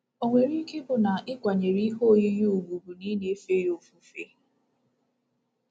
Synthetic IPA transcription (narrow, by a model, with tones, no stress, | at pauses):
o˨ŋʷe˨ɾi˦ke˦bʊ˨na˨ʔɪ˦kʷa˨ɲe˨ɾi˦ɦo˦˨ji˦ju˦u˨ɡ͡bu˨bu˨ni˦ne˦e˦fe˦jo˨fu˦fḛ˦